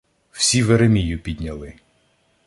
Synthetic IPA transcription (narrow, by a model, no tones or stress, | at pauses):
w̥sʲiʋeɾemʲijʊpʲid̪ʲnʲɐlˠɪ